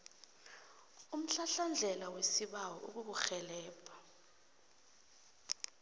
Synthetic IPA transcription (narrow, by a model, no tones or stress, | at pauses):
um̩ɬaɬand͡ɮʱɛlawesiɓawɔʔṵk̬uk̬uxɛlɛːpʰḁ